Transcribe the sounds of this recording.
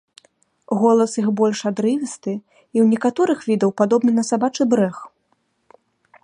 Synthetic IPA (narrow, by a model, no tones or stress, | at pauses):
ɣɔlˠɐsjixbɔlʲʂad̪ɾɨvʲist̪ɨ | iwnʲɛkat̪ɔɾɨxvʲid̪ɐwpad̪ɔbnɨnɐsabat͡ʂɨbɾɛx